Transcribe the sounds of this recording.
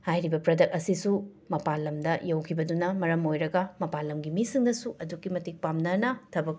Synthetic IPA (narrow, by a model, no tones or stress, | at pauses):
hajɾibɐpɾɐdɐk̚ɐsisu | mɐpalɐmdɐjɐwkʰibɐdunɐmɐɾɐmojɾɐɡɐmɐpalɐmɡimisiŋnɐsuʔɐdukːimɐtik̚pamnɐnɐtʰɐbɐk̚